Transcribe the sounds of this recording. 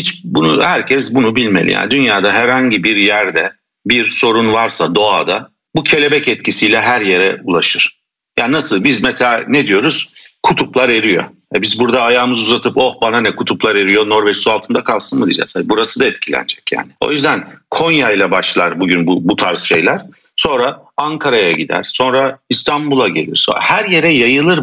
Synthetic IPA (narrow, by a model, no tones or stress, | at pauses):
hit͡ʃbunuhæɾcʰɛsbunubilʲmelʲḭja̰ːnid̪ynjaːd̪aɦæɾhaɲɟibiɾjæɾd̪ɛ | biɾso̞ɾunvaɾsad̪o̞ad̪a | bucʰe̞lʲe̞bɛcɛt̪cʰisijlʲɛɦæɾje̞ɾɛṵlˠaʃɯɾ̥ | jaːninasɯlˠbizmɛselʲaːned̪ijo̞ɾuz̥kʰut̪ʰuplˠaɾe̞ɾijo̞̰ | ɛbizbuɾd̪aːjaːmɯzuzat̪ʰɯpohbananɛkʰut̪ʰuplˠaɾe̞ɾijo̞no̞ɾvɛt͡ʃsualˠt̪ʰɯnd̪akʰalˠsɯnmɯd̪id͡ʒɛ̰sabuɾasɯd̪aɛt̪cʰilʲæ̰nd͡ʒɛcja̰ːnɪo̞̰jyzd̪ænkʰo̞njajlˠabaʃlˠaɾbuɟynbubut̪ʰaɾsʃe̞jlʲæɾ̥ | so̞nɾa | aŋkʰaɾajaɟid̪æ̰ɾ̥so̞nɾaist̪ʰanbulˠaɟe̞lʲḭɾshæɾje̞ɾɛjajɯlˠɯɾ